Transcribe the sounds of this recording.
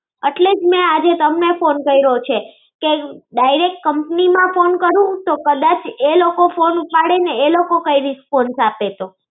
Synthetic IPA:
əʈled͡ʒmɛ̃ad͡ʒet̪əmnefonkəiɾəot͡ʃʰe | keɖaiɾek̚ʈ̚kəmpnimãfonkəɾũt̪okəd̪at͡ʃʰelokofonupaɽeneːlokokəiɾispɔnsapet̪o

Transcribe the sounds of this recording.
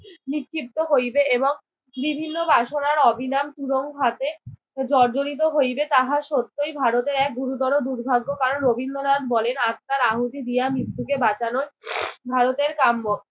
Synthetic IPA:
nikʰːip̚t̪oɦojbeeboŋ | bibʱinːobaʃonaɾɔbʱinamt̪uɾoŋɦat̪e | d͡ʑɔɾd͡ʑonit̪̬oɦojbet̪aɦaʃot̪ːojbʱaɾot̪eɾɛk̚ɡuɾut̪ɔɾod̪uɾbʱaɡːokaɾonɾobʱind̪onad̪bɔlenat̪ːaɾaɦut̪id̪ijamɾit̪ːukebat͡ɕanoebʱaɾot̪eɾkambo

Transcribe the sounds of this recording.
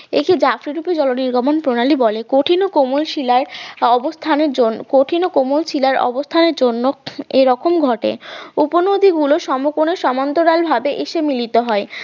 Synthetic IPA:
ḛked͡ʑafɾiɾuped͡ʑɔloniɾɡʱɔmonpɾonalibɔlekoʈʰinokomulʃilaɾɔbost̪ʰaneɾd͡ʑonkoʈʰinokomulʃilaɾɔ̰bost̪ʰaneɾd͡ʑonːoeɾɔkomɡʱɔʈḛuponod̪ʱiɡuloʃɔmokoneʃɔmant̪oɾalbʱabeʔeʃemilit̪oɦɔe

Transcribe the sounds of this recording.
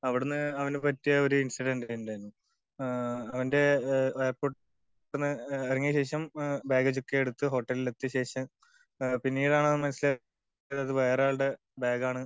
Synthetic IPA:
ɐʋiɽunːɨɐʋɐnupɐtːijɐoɾuinsiɖenɖajndɐjnːu | ɐʋɐnde̞ejɐrpoː | unːɨeriŋːijɐɕe̞ːʂɐmbeːɡɐt͡ɕukːeeɽut̪ːɨɦo̞ʈːɐlilet̪ːɨɕe̞ːʂɐ | pinːiːɽaːɳɨɐðmɐnɐsːile | ɐðɐðɨʋe̞ːrjaːɭʈe | beːɡaːɳɨ

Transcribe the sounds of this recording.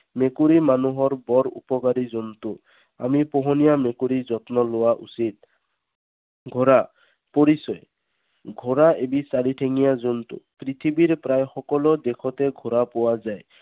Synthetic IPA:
mekuɾimanuɦɔɹbɔɾṵpɔkaɾizɔnt̪ʊ | a̰mipɔɦɔnijamekuɾizɔt̪nɔlʊwaʔṵsit̪̚ | ɡʱɔɾa | pɔɾisɔj | ɡʱɔɾaʔebisaɽiʈʰeŋijazɔnt̪ʊ̰pɾit̪ʰibiɾpɾajxɔkɔlɔd̪ekʰɔt̪ɛɡʱɔɾapɔwazaj

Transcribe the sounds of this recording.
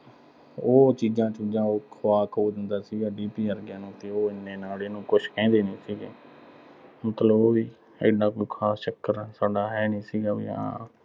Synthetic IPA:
oːt͡ʃiːd͡ʒãːt͡ʃũd͡ʒãːoːkʰʋaːkʰoːd̪ənd̪aːsiːɡaːɖiːpiːəɾɡjãːnũːt̪eːoːɪnːeːnaːleːnũːkʊʃkɛ̃ːnd̪eːnĩːsiːɡeː | mət̪ləboiː | ḛːɖãːkoːiːkʰaːst͡ʃəkːəɾsaːɖaːɦɛːnĩːsiːɡaːʋiːã̰ː

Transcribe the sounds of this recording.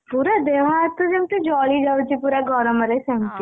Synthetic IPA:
puːɾad̪eːʋ̤ãːt̪od͡ʒemt̪ed͡ʒɔːlid͡ʒaːt͡ʃipuːɾaɡɔːɾəmɐɾesɛmt̪i

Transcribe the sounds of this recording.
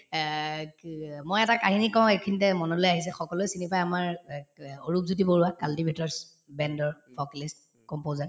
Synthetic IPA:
mojɛtakaɦinikaʊ̃ekʰinitɛmɔnɔlojaɦis̬ɛxɔkɔlojsinipajamaɹ | oɹup̚zut̬iboɹuakaltibʱitɔɹs | bɛndɔɹfɔklist | kɔmpozaɹ

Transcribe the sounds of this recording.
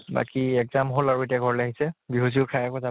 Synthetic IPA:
ba̰kiɛɡzamɦolaɹuet̬jaɡʱɔɹlɛaɦisɛbiɦoziʊkʰajakɔza

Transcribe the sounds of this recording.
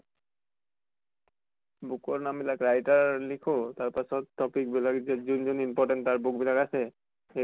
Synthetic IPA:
bukɔɹnambilakɹajtaɹlikʰotaɹpasɔt̪ːɔpik̚bilakzɛzund͡ʒɔnimpɔʈɛntːaɹbuk̚bilakasɛ | e

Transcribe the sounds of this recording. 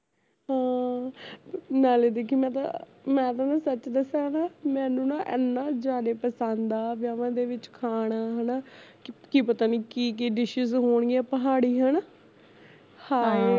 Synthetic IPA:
ɦãː | naːleːd̪eːkʰiːmɛ̃ːt̪ã̰ | mɛ̃ːt̪ãːnãːsət͡ʃːd̪əsaːɦnaːmɛ̃ːnũːnaʔɛ̰ːnːaːd͡ʒaːd̪eːpəsãnd̪aːʋjaːʋãːd̪eːʋɪt͡ʃkʰaːɽ̃aːɦənaːkkiːpət̪aːniːkiːkiɖɪʃɪzɦoːɳ̃ɡiɛːpəɦaːɽiːɦən | hãː

